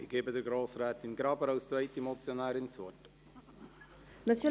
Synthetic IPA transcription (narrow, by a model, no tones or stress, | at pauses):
ɪɡ̥eːbədəɾɡɾoːsrɛːt̪ɪnɡɾɑbəɾawst͡svɛɪtimɔt͡sjonæːɾɪnt͡suət | nɑt͡sjo